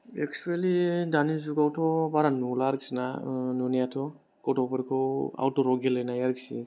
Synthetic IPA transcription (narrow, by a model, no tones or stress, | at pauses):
ek̚t͡ʃuelidanizuɡawtʰɔbaɾanulaɾksinanunijatʰɔ | kowtʰɔpəɾkʰɔa̰wtoɾɔɡelajnajaɾksḭ